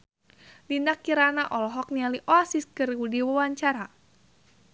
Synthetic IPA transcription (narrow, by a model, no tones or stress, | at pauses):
linakiɾanaʔɔlɔɦɔk̚nialiʔɔasiskɨrudiwawaɲt͡ʃaɾa